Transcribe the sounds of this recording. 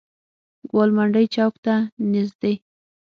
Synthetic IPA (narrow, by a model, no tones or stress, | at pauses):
ɡolmaɳɖəjt͡ʃawkt̪anɪzd̪ej